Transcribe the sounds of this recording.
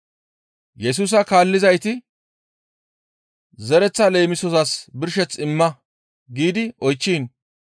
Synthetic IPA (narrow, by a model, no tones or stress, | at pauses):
jɛs̬uːs̬ɐkaːlːɪzɐjt̪ɪ | zɛɾɛt͡sːɐle̞ːmɪsɔsɐsbɪɾʃɛt͡sɪmːɐ | ɡiːd̪ɪʔɔjt͡ʃːiːn